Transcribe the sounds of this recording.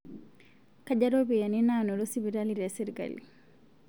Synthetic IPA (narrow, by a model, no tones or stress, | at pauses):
kaɟaɾobijaninanɔɾɔsibiɾaliɾɛsiɾɡa̰lḭ